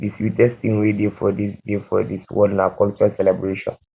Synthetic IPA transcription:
diswitɛstĩŋwedefɔdisdefɔ̰diswɔdnakɔlt͡ʃuɹasɛlɛbɹeʃɔ̰̃n

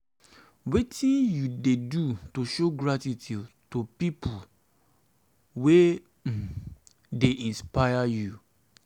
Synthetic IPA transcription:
wetʰĩnjudedutoʃoɡɹatitʰitopipʰu | we | deʔĩnspajaju

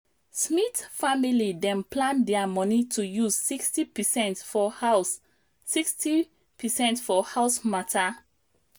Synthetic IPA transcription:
smitfamilidɛ̃nplãndɛamɔnitʰujuzsikstipɛsɛ̃ntfɔhaʊsː | iksti | pʰɛsɛ̃ntfɔhaʊsmatʰa

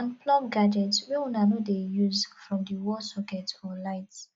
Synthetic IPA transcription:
ãnplɔb̚ɡad͡ʒɛtswɛũnanudejuzfɹɔ̃mdiwɔsɔkɛtɔlaɪt

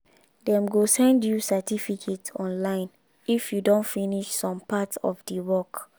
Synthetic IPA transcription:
dɛ̃mɡosɛ̃ndjusɛtifikʰetɔ̃nlãɪ̃n | ifjudõntfiniʃsɔ̃mpatɔ̰fdəwɔk

